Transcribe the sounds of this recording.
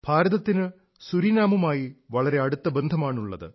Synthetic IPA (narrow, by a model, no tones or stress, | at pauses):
b̥ʱaːɾɐðɐt̪ːinɨ | suɾinaːmɐmaːjiʋɐɭɐɾe̞ɐɽut̪ːɐbend̪ʱɐmaːɳuɭːɐ̰ðɨ̰